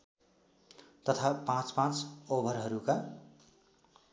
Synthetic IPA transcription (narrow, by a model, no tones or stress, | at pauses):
t̪ʌt̪ʰapãt͡spãt͡sobʱʌɾɦʌɾuka